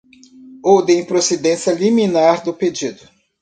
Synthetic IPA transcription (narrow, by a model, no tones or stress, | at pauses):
od̪ẽj̃pɾosed̪ẽsiɐliminaɾd̪ʊped͡ʒid̪ʊ